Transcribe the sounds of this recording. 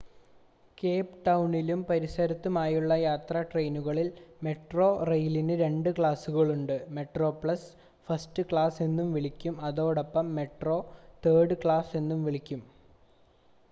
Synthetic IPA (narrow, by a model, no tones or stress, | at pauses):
ke̞ːpʈɐwɳilumpɐɾisɐɾɐt̪ːumaːjuɭːɐjaːt̪rɐʈre̞jnuɣɐɭilme̞ʈro̞ːrejlinɨɾe̞ɳɖɨkɭaːsuɣɐɭuɳɖɨme̞ʈro̞ːpɭɐs | fɐstɨkɭaːse̞nːumʋiɭikʲːumɐðo̞ːɽɐpːɐmːe̞ʈro̞ːt̪eːɽɨkɭaːse̞nːumʋiɭikʲːum